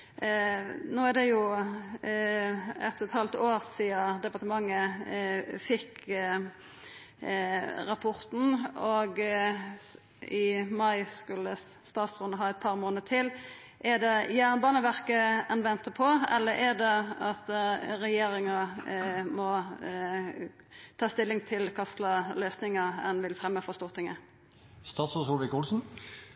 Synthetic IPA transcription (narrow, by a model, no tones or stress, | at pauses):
noːæd̪ɛjʊ | ɛ̰t̪ːɔt̪hɑlt̪oːʁsiːɑd̪ɛpɑʁt̪əmɑŋːə | fɪk | ɾɑpʰɔʁt̪n̩ɔɡ | ɪmɑɪskʉlːə | st̪ɑːsʁʊnəɦɑːɛɪt̪̚pʰɑːʁmoːnət̪ʰɪl | ʔɛd̪ɛjæːʁnbɑːnəʋæʁkəɛnʋɛnt̪əpʰɔɛ̰lːəɛd̪ɛɑt̪ʁɛjeːɾɪŋɑ | mɔ | t̪ʰɑːst̪ɪlːɪŋt̪ʰɪlkʰɑst̪lɑløːsnɪŋəɛ̰nʋɪlfʁɛmːəfɔst̪uːʁt̪ʰɪŋːə | st̪ɑːt̪sʊsʊlʋɪkulsn̩